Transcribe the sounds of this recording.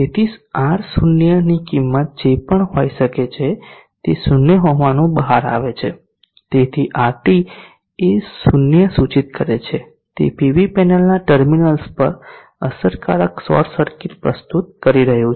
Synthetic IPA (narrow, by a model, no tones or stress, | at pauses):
d͡ʒet̪ʰisaɾsunjənikimːət̪̚d͡ʒepəɳɦojʃəket͡ʃʰe | t̪esunjəɦoʋanũbəɦaɾa̰ʋet͡ʃʰe | t̪et̪ʰiʔaʈi | esunjəsut͡ʃit̪̚kəɾet͡ʃʰe | t̪ḛpiʋipɛnəlnaʈəɾminəlspə̰ɾ | əsəɾka̰ɾəksɔ̰ɾsəɾkiʈpɾə̰st̪ut̪̚kəɾiɾəɦjũ